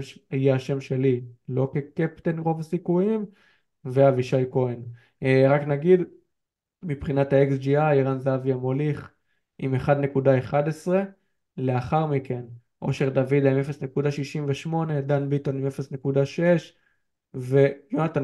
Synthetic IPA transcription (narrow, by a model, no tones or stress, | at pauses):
ajeaʃe̞mʃe̞lilo̞ke̞kept̪enʁo̞vasikujim | veaviʃajko̞en | eʁaknaɡid̪ | mipχinat̪haeksd͡ʒiajiʁanzaavjamo̞liχ | ime̞χad̪ne̞kud̪ae̞χad̪esʁe̞ | le̞aχaʁmike̞n | ʔo̞ʃe̞ʁd̪avid̪aimefesne̞kudaʃiʃimveʃmo̞ne̞d̪anbit̪o̞nimefesnekud̪aʃeʃ | ve̞jonat̪an